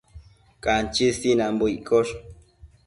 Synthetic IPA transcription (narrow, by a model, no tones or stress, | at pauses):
kant͡ʃisinãmbuikoʂ